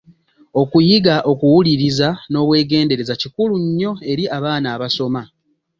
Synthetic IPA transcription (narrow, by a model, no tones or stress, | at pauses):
o̞kujiɡaʔo̞kuwuliɾizano̞ːβwe̞ːɡe̞ːnde̞ɾe̞zacikuluɲːo̞e̞ɾiʔaβaːnaːβaso̞ma